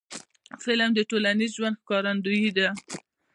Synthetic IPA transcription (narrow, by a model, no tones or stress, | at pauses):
felamd̪əʈolanizʒwand̪̚xkɑɾand̪ujid̪a